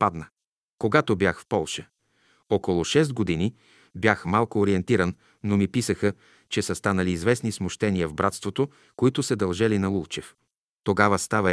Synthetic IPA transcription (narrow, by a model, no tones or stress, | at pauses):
pad̪nə | koɡat̪objaxfpɔlˠʃə̥ | ɔkolˠʊʃɛst̪̚ɡod̪ini | bʲjaxmalˠkoːɾiɛnt̪iɾənː | omipisəxə | t͡ʃɛsəst̪anəliːzvɛsnismʊʃt̪ɛniəvbɾat̪st̪vot̪o | koit̪ʊsəd̪ɐlˠʒɛlinɐlˠulˠt͡ʃɛf | t̪oɡavəst̪avɐ